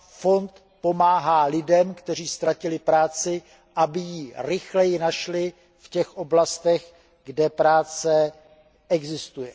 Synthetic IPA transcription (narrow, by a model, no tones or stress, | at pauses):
fo̞nt̪ | po̞maːɦaːlɪdɛmkt̪ɛr̝iːst̪ɾacɪlɪpɾaːt͡sɪ | ʔabɪjiːɾɪxlɛjɪnaʃlɪ | fcɛxʔo̞blast̪ɛɣ | ɡdɛpɾaːt͡sɛ | ʔɛɡzɪst̪ujɛ